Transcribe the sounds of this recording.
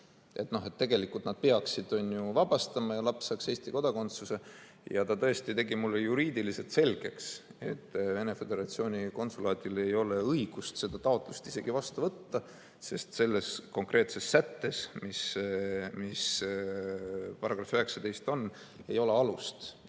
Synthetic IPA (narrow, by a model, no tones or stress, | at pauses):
ʔe̞t̪no̞ɦe̞t̪ːe̞ɡe̞likːult̪nɑd̪̥̚peɑksid̪o̞nʲjuvɑb̥ɑst̪ɑmɑjɑlɑpsːɑːkse̞ːst̪iko̞d̪ɑko̞nt̪suse̞ | jɑt̪ɑt̪ɤ̞est̪it̪e̞ɡimulːejuɾiːd̪̥ilise̞lt̪se̞lɡ̥e̞kse̞̰t̪ːve̞ne̞fe̞d̪̥e̞ɾɑt̪sio̞ːnʲiko̞nsulɑːd̪̥ile̞jo̞le̞ɤjɡ̥ust̪se̞d̪̥ɑt̪ɑo̞t̪ːˑlust̪ise̞ɡ̥ivɑst̪uvɤt̪ːɑ | se̞st̪se̞lːe̞sko̞ŋkrʔe̞ːt̪se̞sːæt̪ːe̞smis | mis | pɑrɑɡ̥rɑfyɦe̞ksɑt̪e̞jst̪o̞n | e̞jo̞le̞ɑlust̪